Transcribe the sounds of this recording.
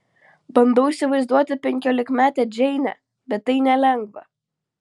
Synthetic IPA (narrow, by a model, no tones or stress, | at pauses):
bɐnd̪ɐʊisʲɪʋɐɪzd̪uɔt̪ʲɪpʲɛŋʲkʲoːlʲɪkmʲæːt̪ʲɛːd͡ʒʲɛɪnʲɛ̰ | bʲɛt̪ːɐɪnʲɛlʲɛŋɡʋɐ̰